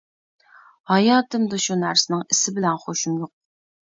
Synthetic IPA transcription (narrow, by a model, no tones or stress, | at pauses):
hɑjɑːt̪ʰɨmd̪uʃunæɾsɪnɪŋɪsɪbɪlɛnχoʃumjoq̚